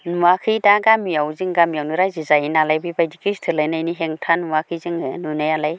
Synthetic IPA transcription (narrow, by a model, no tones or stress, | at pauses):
nuwakʰɯdaɡamijawzɯŋɡamijawnɯɾajzizajinalajbijbajdikʰistʰɯlajnajniɦeŋtʰanuwakʰɯzɯŋɯnunajalaj